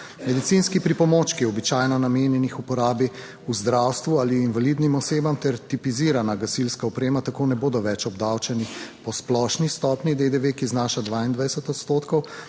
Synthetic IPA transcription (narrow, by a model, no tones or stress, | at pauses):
mɛd̪it̪sinskipɾipɔmoːt͡ʃkiɔbit͡ʃaːjnɔnameːnjɛnixupɔɾaːbi | uzd̪ɾawst̪ʋualiinʋalid̪nimɔseːbamt̪ɛɾt̪ipiziːɾanaɡasilskaɔpɾeːmat̪akoːnɛboːd̪ɔʋɛt͡ʃɔbd̪awt͡ʃɛnipɔsplɔʃnist̪ɔpnid̪ed̪eʋekiznaːʃad̪ʋaːind̪ʋajsɛt̪ɔt̪st̪oːt̪kɔw